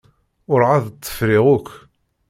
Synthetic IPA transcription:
ʊɾʕaðt͡s̪ˤːə̥fɾiʁʊk

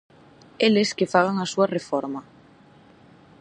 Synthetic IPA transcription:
eleskefaɣ̞aŋasuarefɔɾmɐ

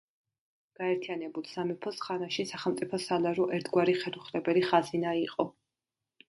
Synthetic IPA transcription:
ɡ̥aɛɾt̪ʰijanɛbulˠsamɛpʰɔsχanaʃisaχɛlˠmt̪sʼipʰɔsalaɾɔʔɛɾt̪ʰɡwaɾiχɛd̪uχɾɛbɛliχazinaiqʼɔ

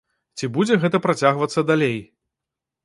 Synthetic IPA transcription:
t͡sʲibud͡zʲɛɣɛt̪ɐpɾat͡sʲaɣvɐt̪sːɐd̪alʲej

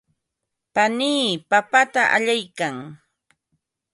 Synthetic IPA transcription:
paniːpapat̪aʔa̰ʎajkaŋ

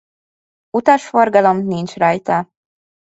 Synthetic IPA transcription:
ut̪ɒʃforɡɒlomnint͡ʃrɑjt̪ɒ

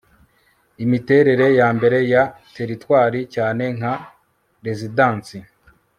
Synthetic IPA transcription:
imite̞ɾe̞ɾe̞jaːmbe̞ɾe̞ja | te̞ɾitwaːɾicaːne̞ŋ̥a | ɾe̞zidaːnsi

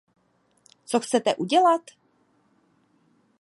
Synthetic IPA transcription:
t͡soxt͡sɛt̪ɛʔuɟɛlat̪

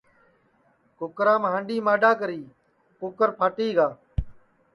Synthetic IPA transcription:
kʊkɾãːmɦãːɳɖiːmaːɖaːkəɾiː | kʊkəɾpʰaːʈiːɡaː

